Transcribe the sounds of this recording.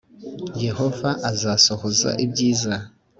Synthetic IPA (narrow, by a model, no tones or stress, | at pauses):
je̞ho̞vaʔazaso̞hoza̰ʔibɟiːza